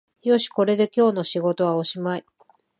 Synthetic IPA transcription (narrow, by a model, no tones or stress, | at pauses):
jo̞ɕi̥ko̞ɾe̞d̪e̞kʲo̞ːno̞ɕiɡo̞t̪o̞βao̞ɕimai